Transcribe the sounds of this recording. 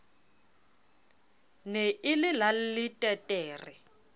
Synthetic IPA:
neʔɪlɪlalɪtʼɛtʼɛːri

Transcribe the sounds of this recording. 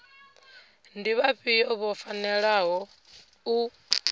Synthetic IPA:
ndiβaɸiɔβɔfanɛɺaɦɔ | u

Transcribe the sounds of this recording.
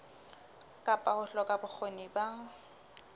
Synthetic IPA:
kʼapʼahʊɬɔkʼabʊk͡xʰoniba

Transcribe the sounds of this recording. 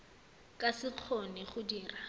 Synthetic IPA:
kʼasɪq͡χʰɔnɛχʊdiːra

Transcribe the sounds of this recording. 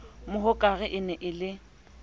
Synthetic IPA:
mʊɦʊkʼaɣɪʔɪnɛʔɪlɪ

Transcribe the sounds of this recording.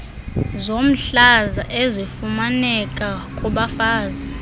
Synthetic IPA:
zom̩ɬazaʔezifumanɛkʼakʼuɓafaːzi

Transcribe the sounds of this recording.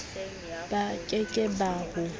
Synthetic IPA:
b̥akʼɛkʼɛbaːhʊ

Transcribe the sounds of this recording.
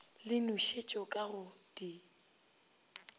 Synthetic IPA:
lɪnʊʃet͡ʃʼɔkʼaɣʊd̥i

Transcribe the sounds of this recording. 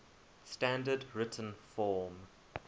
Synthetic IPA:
stæ̃ndədɹɪtʰə̃n̩fɔːm

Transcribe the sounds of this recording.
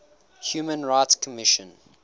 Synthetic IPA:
hjuːmə̃nɹaɪtskʰəmɪʃə̃n

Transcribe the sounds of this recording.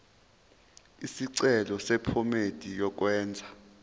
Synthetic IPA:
isiǀɛlɔsɛpʰɔmed̥ʱijɔk̬wɛːnd͡zʱa

